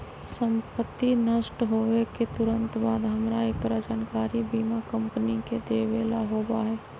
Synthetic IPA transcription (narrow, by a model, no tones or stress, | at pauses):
sə̃mpət̪ːinəsʈɦoːʋeket̪ʊɾənt̪baːd̪ɦəmɾaekɾad͡ʒaːnkaːɾibiːmakə̃mpəniked̪eːʋeːlaɦoːbaɦɛː